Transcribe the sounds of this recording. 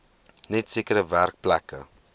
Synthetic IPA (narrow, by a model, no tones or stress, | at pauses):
nɛtsiəkəɾəværk̚plækə̰